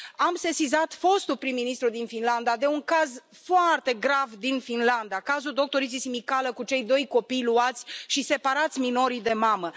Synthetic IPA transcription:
amse̞sizat̪fo̞st̪ulpɾimːinist̪ɾud̪infinland̪ad̪e̞uŋkaz | foart̪e̞ɡɾavd̪infinland̪akazuld̪o̞k̚t̪o̞ɾit̪sisimikaləkut͡ʃe̞jd̪o̞jko̞pijluat̪sʲʃise̞paɾat̪sʲmino̞ɾid̪e̞mamə

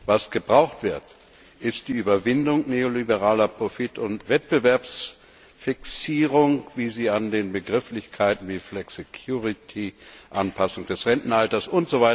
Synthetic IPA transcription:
vasɡ̥əbʁaʊxtv̥ɪɐt | ʔɪst̚d̥iːyːbɐvɪndʊŋneːolibəʁaːlɐpʁ̥ofitʊntv̥ɛt̚b̥əvɛɐps | fɪksiːʁʊŋviːziːandeːnbəɡʁɪflɪçkʰaɪtn̩viːflɛksekʰjuːʁitʰiʔanpʰasʊŋd̥ɛsʁɛntn̩altɐsʊntz̥ovaɪtɐ

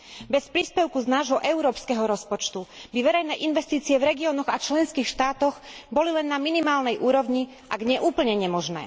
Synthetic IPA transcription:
bɛspɾiːspɛʊkuznaːʒɦɔʔɛʊɾɔːpskɛɦɔɾɔspɔt͡ʃt̪ubiʋɛɾɛjnɛːʔinʋɛst̪iːt͡siɪɛvɾɛɡiɔːnɔɣat͡ʃlɛnskiːxʃt̪aːt̪ɔɣbɔlilɛnːaminimaːlnɛjʔuːɾɔʋɲi | ʔaɡɲɛʔuːpl̩ɲɛɲɛmɔʒnɛ̰ː

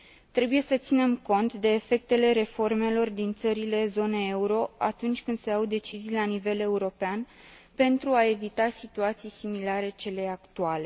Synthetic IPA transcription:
t̪ɾe̞buje̞sət̪sine̞mko̞nt̪d̪e̞ːfek̚t̪e̞le̞ɾe̞fo̞rme̞lo̞rd̪int̪səɾile̞zo̞neeuɾo̞a̰t̪unt͡ʃʲkɨnd̪̥se̞awd̪e̞t͡ʃizijlanive̞le̞uɾo̞pean | pe̞nt̪ɾuae̞vit̪asit̪uat̪sijsimilaɾe̞t͡ʃe̞le̞akt̪uale̞

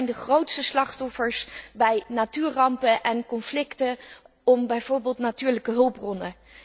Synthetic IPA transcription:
jndəχrowtstəslɑχtɔfəɹsbɛjnatyːɹrɑmpəʔɛnkɔnflɪktə | ɔmbɛjv̥oːɹbeːlˠtnatyːɹləkəɦɵlˠprɔnə

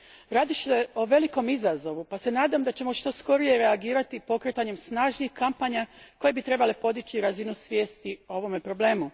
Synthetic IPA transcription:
ɾaːd̪iʃt̪eo̞ʋe̞liko̞mizazo̞ʋupase̞naːd̪amd̪at͡ɕe̞mo̞ʃt̪o̞sko̞ɾije̞ɾe̞aɡiːɾat̪ipo̞kɾe̞t̪aɲe̞msnaːʒnixkampaːɲako̞je̞bit̪ɾe̞bale̞po̞d̪it͡ɕiɾazinusʋje̞ːst̪io̞ʋo̞me̞pɾo̞ble̞ːmu

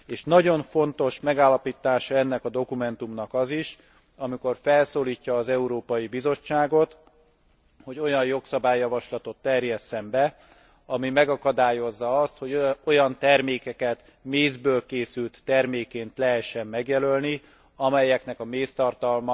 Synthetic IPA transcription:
eːʃnɒɟo̞ɱfo̞nt̪o̞ʃmɛɡaːlːɒpit̪ːaːʃɒɛnːɛkɒd̪o̞kumɛn̪t̪umnɒkɒziʃ | ɒmiko̞rfɛlsoːliːcːɒːzɛuɾoːpɒjibizo̞t͡ʃːaːɡo̞t̪ | ho̞ɟo̞jɒjjo̞ksɒbaːjːɒvɒʃlɒt̪o̞t̪ːɛrjɛsːɛmbɛ | ɒmimɛɡɒkɒd̪aːjo̞zːɒɒst̪ho̞ɟo̞jɒnt̪ɛrmeːkɛkɛt̪ | meːzbøːlkeːsylt̪ːɛrmeːkːeːnt̪lɛɦɛʃːɛmːɛɡjɛlølni | ɒmɛjːɛkn̪ɛkɒmeːst̪ɒrt̪ɒlm

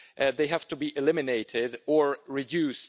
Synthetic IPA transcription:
ʔðeɪɦæftubiʔɪlɪmɪneɪɾɪdə˞ɹɪdjʉs

